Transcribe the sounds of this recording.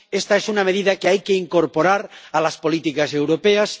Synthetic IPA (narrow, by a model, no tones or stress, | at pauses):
est̪aesunameðiðakeajkeiŋkoɾpoɾaɾalaspo̞lit̪ikasewɾopeas